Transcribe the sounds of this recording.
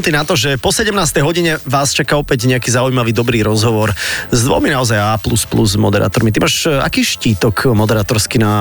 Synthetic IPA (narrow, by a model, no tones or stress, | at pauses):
ut̪inat̪ɔʒɛpɔsɛɟɛmnaːst̪ɛjɦɔɟiɲɛʋaːst͡ʃakaɔpɛɟɲɛakiːzaujmaʋiːd̪ɔbɾiːɾɔzɦɔʋɔɾzd̪ʋɔ̰minaɔzajaːplusplṵzmɔ̰d̪ɛɾa̰ːt̪ɔɾmit̪imaːʃa̰kiːʃciːt̪ɔkmɔd̪ɛɾaːt̪ɔɾskina